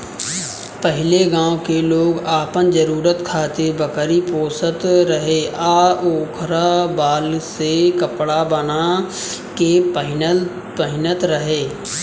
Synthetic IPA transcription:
pəɦɪleɡãːokeloːɡaːpənd͡ʒəɾuːɾət̪kʰaːt̪ebəkəɾipoːsət̪ɾəɦeʔaːoːkʰɾabaːlsekəpɽabənakepəɦɪn | pəɦɪnət̪ɾəɦeː

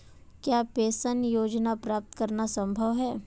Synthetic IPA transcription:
kjaːpeːsənjoːd͡ʒnapɾaːp̚t̪kəɾnasə̃mbʱəʋɦɛː

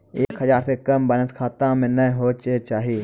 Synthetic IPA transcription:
eːkɦəzaːɾsekɐmbənəskʰaːt̪ãːmẽnɐĩɦoːt͡ʃet͡ʃaːɦiː

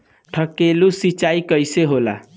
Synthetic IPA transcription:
ʈʰʌkelusit͡ʃaikʌjseɦola̰

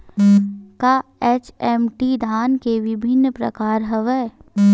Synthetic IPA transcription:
kaeːt͡ʃemʈid̪ʱaːnkeʋɪbʱɪnːpɾɐ̰kaːɾɦɐʋəː

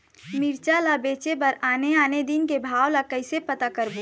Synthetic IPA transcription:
miɾt͡ʃalabeːt͡ʃepəɾaːneaːned̪inkebʱaːwlakəɪsepət̪akəɾbu

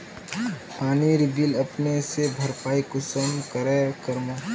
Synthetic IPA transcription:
paːniɾɪbiləpnesebʱəɾpaːikʊsəmkəɾekəɾma

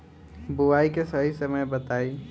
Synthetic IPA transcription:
bʊwaːikesɐɦisɐməjbɐt̪aːi

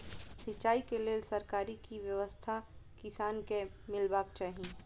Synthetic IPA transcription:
sɪːaːikeleːsəɾkaːɾikiʋjəʋəst̪ʰakɪsaːnkemɪlbaːkt͡ʃaːɦĩ

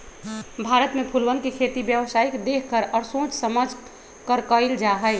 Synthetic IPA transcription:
bʱaɾət̪mepʰulwənkekʰet̪ibjəʋsaikd̪ekʰkəɾɔːɾsõt͡ʃsəməd͡ʒʱ | kəɾkəɪld͡ʒaɦəɪ

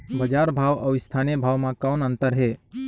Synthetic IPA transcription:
bəd͡ʒaɾbʱawawɪst̪ʰanijəbʱaːwmãkaʊnənt̪əɾɦe

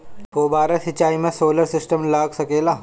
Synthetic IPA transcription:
oːbaːɾasɪt͡ʃaːimẽsoːləɾsɪsʈəmlaːɡsɐkeːlaː

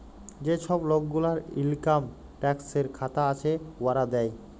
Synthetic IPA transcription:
d͡ʑeʃɔblok̚ɡulaɾḭlkam | ʈɛkseɾkʰat̪aat͡ɕʰewaɾad̪ɛj

